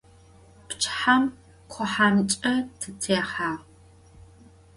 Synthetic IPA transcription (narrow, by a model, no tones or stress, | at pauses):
pt͡ʃʰʼħam | qʷʰɔħaːnɨt͡ʃʼɐtʰɨtʰeːχaːʁ